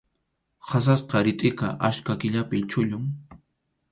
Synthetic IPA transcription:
has̬asqɑɾɪt̪ʼɪkɑʔaʃkakɪʎapɪt͡ʃʊʎʊŋ

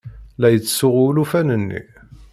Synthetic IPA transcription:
læjət͡sːsʊʁulufænənːḭ

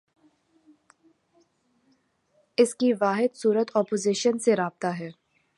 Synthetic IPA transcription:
ɪskiʋaːɦɪd̪suːɾət̪ʰɔːpoːziʃənseɾaːb̚t̪aɦɛː

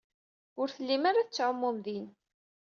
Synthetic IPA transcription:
ʊɾθəlːimaɾaθət͡sːʕəmːʊmðin

